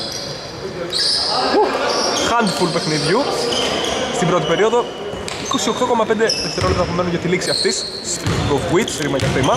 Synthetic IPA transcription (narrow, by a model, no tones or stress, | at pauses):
uxɐnd̪fulpe̞xniðʝu | st̪imbɾo̞t̪ipe̞ɾio̞ðo̞ | iko̞sio̞kt̪o̞ko̞mɐpnd̪eðeft̪eɾolet̪ɾɐpome̞nonʝɐt̪iliksiɐft̪is | ɡovɣwit̪sɾimɐʝɐxɾimɐ